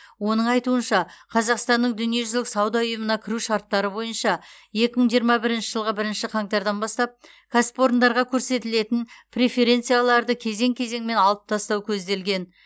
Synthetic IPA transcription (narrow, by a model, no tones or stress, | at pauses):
wo̞nəɴɑjt̪uənʃɑqʰɑzɑqst̪ɑnːəɴd̪ʏnije̞ʒʏzlɪksɑwd̪ɑʊjəmənɑkʲʰɪɾuʃɑɾt̪ːɑɾəbo̞jənʃɑ | je̞kʲɪməɴʒijəɾmɑbɪɾɪnʃɪʒəlˠʁəbɪɾɪnʃɪqʰɑŋt̪ɑɾd̪ɑnbɑst̪ɑp̚ | kʰaspo̞ɾnd̪ɑɾʁɑkʲʰɵɾse̞t̪ɪle̞t̪ɪnpʰrʲe̞fe̞ɾʲe̞nt̪sijalˠɑɾd̪əkʲʰe̞ze̞ŋkʲʰe̞ze̞ŋme̞nɑlˠəp̚t̪ʰɑst̪ɑwkʲʰɵzd̪e̞lɡʲe̞n